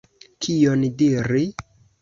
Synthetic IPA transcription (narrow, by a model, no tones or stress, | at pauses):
kʰijondiɾi